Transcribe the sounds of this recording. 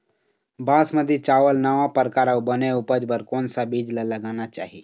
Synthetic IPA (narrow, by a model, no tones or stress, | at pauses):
bãsməd̪ʱːit͡ʃaʋəlnəʋapəɾkaɾawbəneupəd͡ʒbəɾkonsabiːd͡ʒlaləɡañat͡ʃa̰ɦi